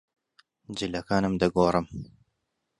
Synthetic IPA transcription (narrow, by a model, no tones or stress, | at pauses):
d͡ʒɨlɐkaːnɨmd̪ɐɡoːrɨm